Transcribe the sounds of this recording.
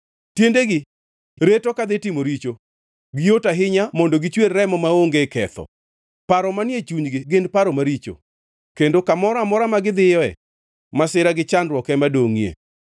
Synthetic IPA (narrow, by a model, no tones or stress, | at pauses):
tjendeɡɪ | ɾetokad̪ɪtɪmoɾit͡ʃo | ɡɪjotaɦɪɲamɔndoɡɪt͡ʃwerːɛmɔmaoŋɡekɛt̪ɔ̰ | paɾɔmanjet͡ʃuɲd͡ʒɡɪɡɪndpaɾɔmaɾit͡ʃo̰ | kendokamɔɾamɔɾamaɡɪd̪ɪjɔɛ | masɪɾaɡɪt͡ʃandɾwɔkɛmadoŋiḛ